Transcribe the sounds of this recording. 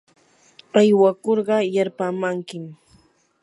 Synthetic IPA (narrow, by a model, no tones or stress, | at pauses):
ajwakoɾɢɑjaɾpamaŋkɪm